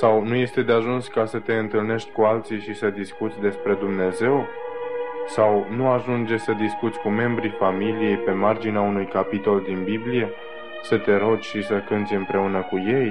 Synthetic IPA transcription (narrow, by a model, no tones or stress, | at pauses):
sawnuje̞st̪e̞d̪eaʒunskasət̪e̞ɨnt̪ɨlne̞ʃt̪ʲkualt̪siʃisəd̪iskut̪sʲd̪e̞spɾe̞d̪umne̞ze̞w | sawnuaʒund͡ʒesəd̪iskut̪sʲkume̞mbɾifamilije̞jpe̞mard͡ʒineaunujkapit̪o̞ld̪inbiblije̞ | sət̪e̞ɾo̞d͡ʒʲʃisəkɨnt̪sʲɨmpɾe̞unəkuje̞j